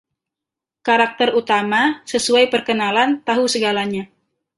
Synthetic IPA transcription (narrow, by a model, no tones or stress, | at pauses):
kaɾak̚t̪ərut̪amasəsuajpərkənalant̪aɦusəɡalaɲa